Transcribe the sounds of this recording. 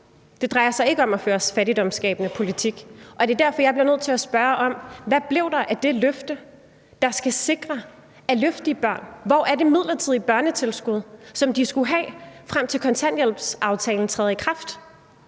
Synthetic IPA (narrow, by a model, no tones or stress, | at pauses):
d̥e̝d̥ʁɑ̈ɪɐsɑ̈ɪe̝ɡ̥əɒ̽mæføːɐsfæɾid̥ɒ̽msɡ̥ɛ̰ːb̥ənəpʰo̝lit͡sʰiɡ̥ʔɒ̽d̥e̝d̥æɐ̰fɒ̽jɑɪb̥li̝ɐnøð̰ˠt͡sʰe̝læsb̥ɶɐʔɒ̽mʋæb̥le̝ʊd̥ɑ̈ʔæɐd̥e̝løfd̥ə | d̥ɑ̈sɡ̥æse̝ɡ̥ʁɐ | æløfd̥iəb̥ɶɐ̰nʋɒʔæɐde̝mið̞̰ˠlɐt͡sʰið̰ˠib̥ɶɐnət͡sʰe̝lsɡ̥uð̞ˠsɒ̽md̥isɡ̥uɦɛ̰ːfʁam̰t͡sʰe̝lkʰɒ̽nt͡sʰæn̰jel̰b̥sʔɑ̈ʊt͡sʰɛ̰ːln̩t͡sʰʁɛːð̩ˠikʰʁɑ̈fd̥